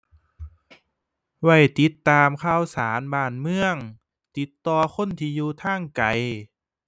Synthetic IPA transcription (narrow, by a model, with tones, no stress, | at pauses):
wa˧˩jt̪i˦t̪ːaː˧mkʰaː˧˥˩wsaː˩˦nbaː˧˩nmɯ˧əŋ | t̪i˧˦t̪ːɔː˧kʰo˧˥˨nt̪ʰiː˧juː˧t̪ʰaː˧˥˩ŋka˨˩j